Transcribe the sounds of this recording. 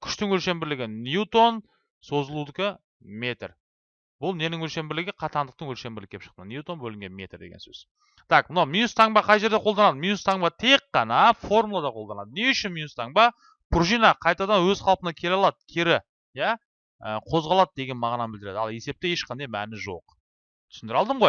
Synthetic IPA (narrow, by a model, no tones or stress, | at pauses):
kʲʰʏ̥ʃt̪ɪŋwɵlʃe̞mbɪɾlɪɡʲɪnʲjut̪o̞n | so̞zəlˠud̪ɪkʲɪ | me̞t̪r | bʊlˠne̞nɪŋwɵlʃe̞mbɪɾlɪɡʲɪqʰɑt̪ɑnd̪əq̚t̪əŋwɵlʃe̞mbɪɾlɪkʰʲepʃə̥qt̪ənjut̪o̞nbɵlɪŋɡʲe̞nmʲe̞t̪rd̪eɡʲensɵ̰z̥ | t̪ʰɑqmənɑwminust̪ʰɑŋbɑqʰɑjʒe̞ɾd̪e̞qʰolˠd̪ɑnɑd̪əminust̪ʰɑŋbɑt̪ʰe̞k̚ːɑnɑfo̞rmulˠɑd̪ɑqʰolˠd̪ɑnɑd̪əne̞ʉʃɪnminust̪ɑŋbɑ | pʰuɾʒijnɑqʰɑjt̪ɑd̪ɑnwɵzqʰɑlˠpənɑkʲʰe̞lɑlˠɑd̪əkʲʰe̞ɾɪ | jæ | əqʰo̞zʁɑlˠɑd̪əd̪e̞ɡʲe̞nmɑʁnɑbɪld̪ɪɾe̞d̪ɑ̰lˠe̞se̞p̚t̪eje̞ʃqʰɑnd̪ɑjmænɪʒo̞̰q | t̪ʰʏ̥sɪnd̪ɪɾɑlˠd̪əɴʁoj